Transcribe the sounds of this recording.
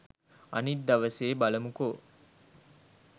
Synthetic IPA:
a̰nit̪̚d̪ɐʋəseːbaləmuko

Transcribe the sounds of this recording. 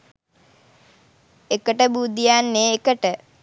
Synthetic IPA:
ekəʈəbud̪ijanːeːkəʈə

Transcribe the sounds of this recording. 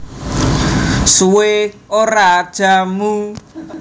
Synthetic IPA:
suweoɾad̥ʒ̥amu

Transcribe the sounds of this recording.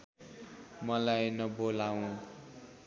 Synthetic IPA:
mʌlajnʌbolaw̃

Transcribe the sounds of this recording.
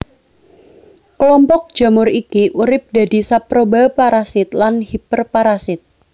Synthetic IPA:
kəlɔmpɔk̚d̥d͡ʒ̥a̤mʊɾikiʔuɾɪp̚d̥a̤disapɾobapaɾasɪt̪lanhipərpaɾasɪt̪̚

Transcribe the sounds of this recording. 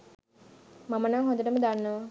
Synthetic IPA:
mamənaŋɦond̪əʈəməd̪anːəʋə

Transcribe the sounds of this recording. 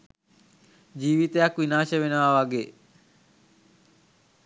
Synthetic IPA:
d͡ʒiːʋit̪əjakʋinaːʃəʋenəʋaʋaɡeː

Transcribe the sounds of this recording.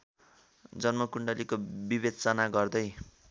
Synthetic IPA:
d͡zʌnmʌkuɳɖʌlikobibed̪̚t͡sʌnaɡʌrd̪ʌj

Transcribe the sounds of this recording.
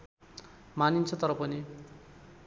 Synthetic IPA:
manint͡sʰʌt̪ʌɾʌpʌni

